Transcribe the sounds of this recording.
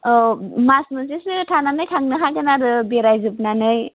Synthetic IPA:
masmɯnsesɯtʰananɯjtʰaŋnɯɦajtanaɾɯbeɾajzɯbnanɯj

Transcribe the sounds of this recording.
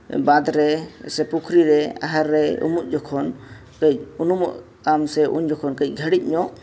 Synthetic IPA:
bad̪ɾɛsɛpukʰɾiɾɛa̰ɦəɾːɛṵmuʔ̪̚d͡ʒɔkʰɔn | kəcunumɔ̰ʔ | kamsɛʔṵɲd͡ʒɔkʰɔnkəc̚ˀɡʱəɽic̪̚ˀɲɔ

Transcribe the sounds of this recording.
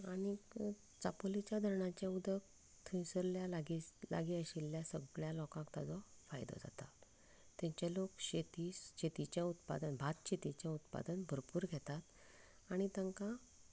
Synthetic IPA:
aɽ̃i | t͡sapolit͡ɕjad̪ʱəɾɳat͡ɕjaud̪ək̚ | t̪ʰĩsəɾljalaɡila̰ɡiəɕilːjasəɡɭjalɔkãkt̪ad͡zɔfa̰jd̪ɔ̰d͡za̰t̪a | t̪ːaɲt͡ɕalokɕet̪isɕet̪it͡ɕjãut̪pa̰d̪ənbʱat̪ɕet̪it͡ɕjãut̪pa̰d̪ənbʱəɾpuːɾɡʱɛt̪at̪ | aɽ̃it̪ãŋkã

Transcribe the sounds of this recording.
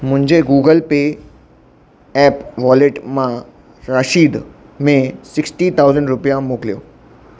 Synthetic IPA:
mʊ̃ɦɪ̃ɲd͡ʑeɡuːɡəlpeː | ɛːpʋɔːleʈmã | ɾaʃiːd̪ | mẽsɪksʈit̪ʰaːʊzə̃ɳɖɾʊpijamoːklijoː

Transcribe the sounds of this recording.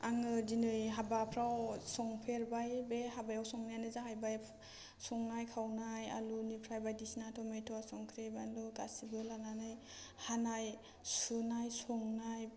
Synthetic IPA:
aŋɯdinɯjɦabapʰɾawsɔŋpʰeɾbajbehabajawsɔŋnajanɯzaɦajbaj | sɔŋnajkʰawnaja̰lunipʰɾajbajdisnatʰɔmetʰɔasɔŋkʰɾebaluka̰sibɯlananaj | hanaj | sunajsɔŋnaj

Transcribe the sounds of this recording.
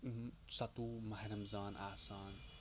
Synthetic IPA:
sɐt̪uːmɐhɾɐmzaːnʔaːsaːn

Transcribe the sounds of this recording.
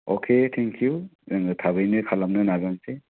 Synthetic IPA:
o̰kʰetʰɛŋkʰjuzaŋɡɯtʰaβɯjnɯkʰalamnɯnazanse

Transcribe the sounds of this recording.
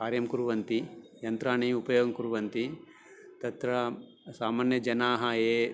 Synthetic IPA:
kaːɾjɐmkuɾuʋɐnt̪ijɐnt̪ɾaːɳiupɐjoːɡɐmkuɾuʋɐnt̪i | t̪ɐt̪ɾɐ | saːmaːnjɐd͡ʒɐnaːɦɐeː

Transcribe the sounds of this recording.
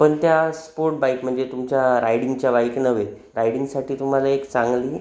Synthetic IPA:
pəɳt̪jaspoɾʈ̚bajkm̤əɳd͡zet̪umt͡ɕjaɾajɽiŋɡt͡ɕjabaiknəʋe | ɾajɽiŋɡsaʈʰiːt̪um̤alaekt͡sãŋɡliː

